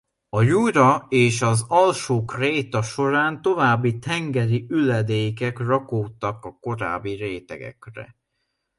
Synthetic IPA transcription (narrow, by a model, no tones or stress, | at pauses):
ɒjuɾɒeːʃɒzɒlʃoːkreːt̪ɒʃo̞ɾaːnt̪o̞vaːbːit̪ʰɛŋɡɛɾiylɛd̪eːkɛkrɒkoːt̪ːɒkɒko̞ɾa̰ːbːiɾeːt̪ɛ̰ɡɛ̰krɛ̰